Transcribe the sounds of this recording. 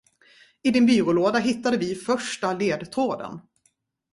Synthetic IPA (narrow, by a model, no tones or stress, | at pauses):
ɪd̪ɪnbyːɾʊloːd̪aɦɪt̪ːad̪əvɪfœʂʈaleːd̪t̪ʰoːd̪ə̰n